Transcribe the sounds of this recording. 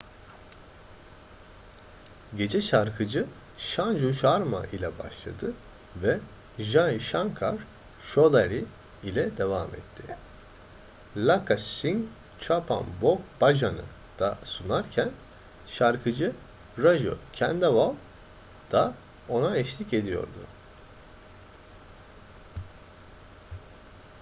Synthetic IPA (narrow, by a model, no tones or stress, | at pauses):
ɟe̞d͡ʒɛʃaɾkʰɯd͡ʒɯ | ʃand͡ʒuʃaɾma̰ʔilʲɛba̰ʃlˠa̰d̪ɯ | vɛ | ʒaiʃaŋkʰaɾ̥ | ʃod̪aɾi | ilʲɛd̪evaːmɛ̰t̪ʰːɪ | lʲakʰasiŋ | t͡ʃʰapʰa̰nbokbaʒanɯ̰ | d̪̥asunaɾcʰæn | ʃaɾkʰɯd͡ʒɯ | ɾaʒo̰cʰænd̪avalˠ | d̪̥a | o̞naɛʃlʲice̞d̪ijo̞̰ɾd̪ʊ